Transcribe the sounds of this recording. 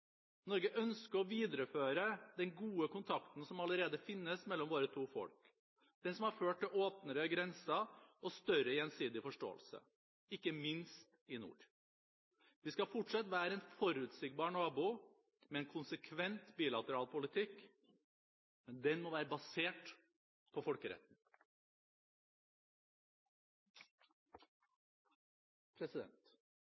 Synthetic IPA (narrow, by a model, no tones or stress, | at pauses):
nɔɾɡəʔœnskəɾɔʋiːd̪ɾəføːɾəd̪ɛnɡuːəkʊnt̪ʰɑkt̪n̩sɔmɑləɾeːd̪əfɪnːəsmɛlːɔmʋoːɾət̪ʰuːfɔ̰lk | d̪̥ɛnsɔmhɑɾføːʈ̚ʰːɪoːpnəɾəɡɾɛnsɑɔst̪œɾəjɛnsiːd̪ɪfɔʂʈo̰ːə̰lsə̰ | ɪkːəmɪnst̪ɪnṵːɾ | ʋɪskɑfʊʈʂɑt̪ːʋæːɾəɛːnfɔɾʉt̪sɪɡbɑːɳɑːbʊ | mɛɛnkʰʊnsəkʰʋɛnt̪biːlɑt̪əɾɑːlpʰʊlɪt̪ʰɪkː | mɛnd̪ɛnmɔʋæːɾəbɑseːʈ | pʰɔfɔlkəɾɛ̰t̪ːn̩ | pʰɾɛsɪd̪ɛ̰nt̪